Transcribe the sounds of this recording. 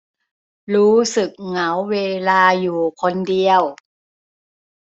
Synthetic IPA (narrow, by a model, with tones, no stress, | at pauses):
ɾuː˦˥sɯ˨˩k̚ŋa˩˦wːeː˧laː˧juː˨˩kʰo˧ndi˧əw